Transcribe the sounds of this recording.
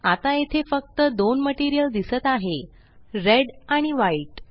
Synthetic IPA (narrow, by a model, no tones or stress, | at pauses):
at̪ajet̪ʰefək̚t̪əd̪onməʈiɾijəld̪isət̪aɦe | ɾeɽaɽ̃iʋaiʈ